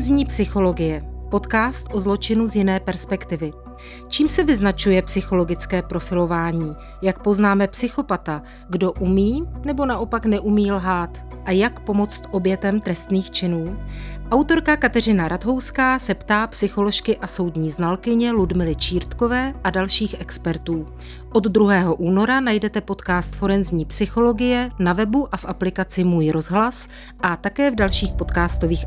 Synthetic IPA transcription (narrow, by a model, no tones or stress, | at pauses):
zɲiːpsɪxo̞lo̞ɡɪjɛpo̞t̪kaːst̪ʔo̞zlo̞t͡ʃɪnuzjɪnɛːpɛɾspɛkt̪ɪvɪ | t͡ʃiːmsɛvɪznat͡ʃujɛpsɪxo̞lo̞ɡɪt͡skɛːpɾo̞fɪlo̞vaːɲiː | jak̚po̞znaːmɛpsɪxo̞pat̪a | ɡdo̞ʔumiːnɛbo̞naʔo̞paknɛʔumiːlɦaːt̪ | ʔajakpo̞mo̞t͡st̪ʔo̞bjɛt̪ɛmt̪ɾɛst̪niːxt͡ʃɪnuːʔawt̪o̞ɾkakat̪ɛr̝ɪnaɾad̪ɦo̞wskaːsɛpt̪aːpsɪxo̞lo̞ʃkɪʔaso̞wdɲiːznalkɪɲɛludmɪlɪt͡ʃiːɾt̪ko̞vɛːʔadalʃiːxʔɛkspɛɾt̪uː | ʔo̞d̪d̪ɾuɦɛːɦo̞ʔuːno̞ɾanajdɛt̪ɛpo̞t̪kaːst̪fo̞ɾɛnzɲiːpsɪxo̞lo̞ɡɪjɛnavɛbuʔafʔaplɪkat͡sɪmuːjɾo̞zɦlas | ʔat̪akɛːvdalʃiːxpo̞t̪kaːst̪o̞viːx